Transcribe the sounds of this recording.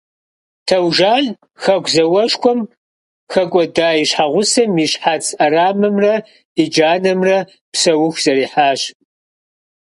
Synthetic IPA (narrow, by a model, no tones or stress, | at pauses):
tʰɐwʒaːn | xɐɡʷʰzɐwɐʂkʷʰɔm | xɐkʷʼɔdaːiɕħaʁʷʊsɐmiɕħaːt͡sʰʼɐɾaːmɨmrɐ | id͡ʒaːnɐmrɐ | psɐwʊxʷz̥ɐɾiːħaːɕ